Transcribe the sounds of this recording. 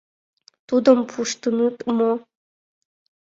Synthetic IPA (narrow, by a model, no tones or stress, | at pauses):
t̪ud̪əmpʰuʂt̪ɨnɨt̪mo